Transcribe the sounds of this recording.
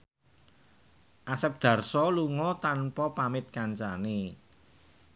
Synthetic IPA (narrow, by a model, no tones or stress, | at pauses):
ʔasɛp̚d̪̥ä̤rsɔluŋɔt̪anpɔpamɪt̪̚kaɲt͡ʃane